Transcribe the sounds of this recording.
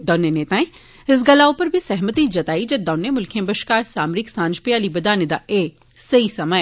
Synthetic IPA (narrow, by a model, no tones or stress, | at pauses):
d̪ɔːneneːt̪ãːẽ | ɪs̬ɡɐlaːopɐɾbʱisɛɦmət̪id͡ʒɐt̪aːid͡ʒɐd̪ɔːnemʊlkʰẽbɐʃkaːɾsaːmɾɪksãːnd͡ʒpɪjaːlibɐd̪aːned̪a̰ʔeː | sɐisɐməɛː